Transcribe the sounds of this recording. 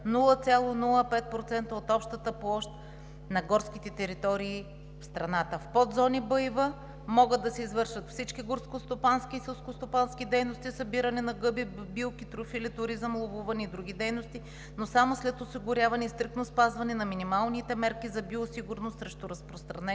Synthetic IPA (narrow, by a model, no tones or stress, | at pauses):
nulˠət̪sʲjalˠonulˠəpɛt̪̚pɾot̪sɛnt̪əot̪ɔpʃt̪ət̪əplˠɔʃt̪̚ | nɐɡɔɾskit̪ɛt̪ɛɾit̪ɔɾiː | fst̪ɾɐnat̪əfpɔd̪zɔnibɤjvə | mɔɡəd̪d̪ːɐsɛizvɤɾʃvət̪fsit͡ʃkiɡʊɾskost̪opanskiːsɛlˠskost̪opanskid̪ɛjnost̪isɐbiɾɐnɛnɐɡɤbibilˠkit̪ɾofilit̪ʊɾizəmlˠovuvɐnɛid̪ɾuɡ̟id̪ɛjnost̪i | nosamoslɛt̪osiɡʊɾʲjavɐnɛist̪ɾik̚t̪nospazvɐnɛnɐminimalˠnit̪ɛmɛɾkʲizɐbiosiɡʊɾnost̪sɾɛʃt̪ʊɾɐspɾost̪ɾɐnɛ